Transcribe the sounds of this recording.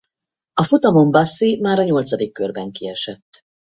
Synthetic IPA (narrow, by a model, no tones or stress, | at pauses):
ɒfut̪ɒmombɒsːimaːɾɒɲo̞lt̪sɒd̪ikːørbɛŋkiɛʃɛt̪ː